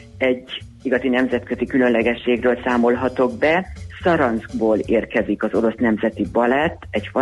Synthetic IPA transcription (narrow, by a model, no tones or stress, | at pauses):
ɛɟː | iɡɒzinɛmzɛt̪kø̞zikylø̞nlɛɡɛʃːeːɡrøːlsaːmo̞lɦɒt̪o̞ɡ̚bɛsɒɾɒnsɡboːleːrkɛzikɒzo̞ɾo̞snɛmzɛt̪ibɒlɛt̪ːɛɟfɒ